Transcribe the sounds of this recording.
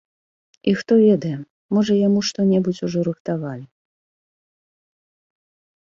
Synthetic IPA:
ixt̪ɔvʲɛd̪ɐjɛ | mɔʐɐjamuʂt̪ɔnʲɛbut͡sʲuʐɔɾɨxt̪avalʲi

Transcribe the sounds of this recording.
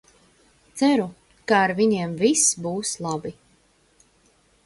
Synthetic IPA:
t̪sæɾu | kaːɾviɲeɛmvisbuːslˠabi

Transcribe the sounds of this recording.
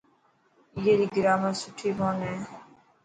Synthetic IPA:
jeːɾiːɡɪɾaːmãːsʊʈʰːiːbõːnɛː

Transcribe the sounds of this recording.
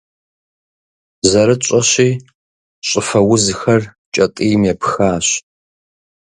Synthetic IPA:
zɐɾɨt͡ʃʼɐɕiː | ɕʼɪfɐwʊzxɐr | t͡ʃʼɐtʼiːmjɛpxaːɕ

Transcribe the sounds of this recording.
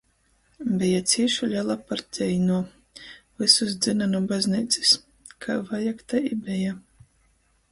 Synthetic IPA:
bɛjat̪sʲiɛʃulʲalˠapaɾzʲɛjnuɔ | vɨsus̬d̪zɨnanubazʲniːt̪si̥s | kʰavajakt̪aibʲɛja

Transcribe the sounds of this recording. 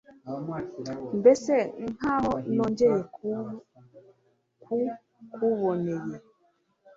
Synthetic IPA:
m̩beseŋ̩haɔnɔ̃nd͡ʒɛ | ku | kʰuβɔneje

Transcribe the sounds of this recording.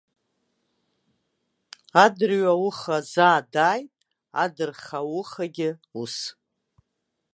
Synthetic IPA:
adɨrɥawʊχazaːdaːjtʼ | a̰dɨrχawʊχaɡʲɪus

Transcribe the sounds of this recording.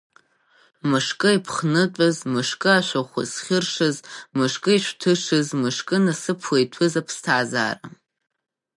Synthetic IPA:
mɨʂkʼɨipʰχnɨtʷʼazmɨʂkʼɨaʃʷaχʷʊ̰sχʲɪrʂɨzmɨʂkʼɨiʃʷtʰɨʂɨzmɨʂkʼɨnasɨpʰwejtʷʰɨzapʰstʰaːza̰ːra̰

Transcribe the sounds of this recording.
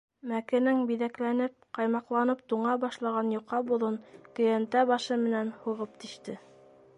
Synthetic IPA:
mækɘ̆nɘŋbiðæklænɘp̚qɑjmɑqlˠɑnɤp̚t̪uɴɑbɑʃlˠɑʁɑnjuqːɑbulˠɤnkɵ̆jænt̪æβɑʃɤmɘ̆nænhuʁɤp̚t̪iʃt̪ɘ

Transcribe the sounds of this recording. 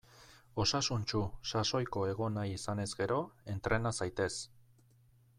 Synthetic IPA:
o̞sasunt͡ʃusaso̞jko̞e̞ɣ̞o̞najisane̞zɡe̞ɾo̞e̞nt̪ɾe̞nasajt̪e̞s

